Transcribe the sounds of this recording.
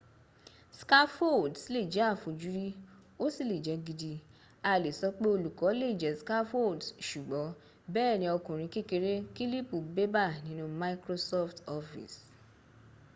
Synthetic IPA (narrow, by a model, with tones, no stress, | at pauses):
ska˦fo˦˨dsi˨˦le˦˨d͡ʒɛ˨˦a˦˨fo˨˦d͡ʒu˨˦ɾi˦o˦si˦˨le˨d͡ʒɛ˨˦ɡi˧di˧ | a˧˨le˨sɔ˧˦k͡pe˦o˧lu˨kɔ˨˦le˦˨d͡ʒɛ˨˦ska˦fo˦˨dʃu˨ɡ͡bɔ˨˦ | bɛː˦˨nĩ˧˦ɔ˧kũ˨ɾ̃ĩ˧ke˦ke˧ɾe˦ki˦li˦pu˦˨be˦ba˦˨nĩ˦nũ˧ma˧i˦kɾo˧sɔ˦ftɔ˧fḭ˨s